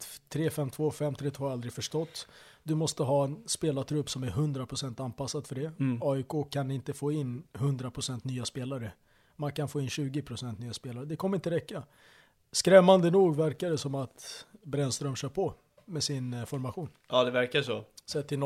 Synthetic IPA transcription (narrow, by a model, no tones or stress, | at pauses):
t̪ʰɾeːfɛmt̪ʰvoːfɛmːt̪ʰɾeːt̪ʰvoːald̪ɾɪɡfœʂʈɔt̪ː | d̪ɵmɔst̪əɦɑːɛnspeːlat̪ʰɾɵpːsɔmæɾɦɵnd̪ɾapʰɾʊsɛnt̪anpʰasːad̪fœɖɛɑːɪkʰoːkʰanɪnt̪əfoːɪnːɦɵnd̪ɾapʰɾʊsɛnt̪nyːaspeːlaɾə | mankʰanfoːɪnɕʉ̟ːɡɪpʰɾʊsɛnt̪nyːaspeːlaɾəd̪ɛkʰɔməɾɪnt̪əɾɛkːa | skɾɛmːand̪ənuːɡvæɾkad̪əsɔmat̪bɾɛnst̪ɾœmɕœːɾpʰɔ | mɛsɪnfɔɾmaɧuːnʔɑːd̪ɛvæɾkaʂosɛt̪ʰːɪn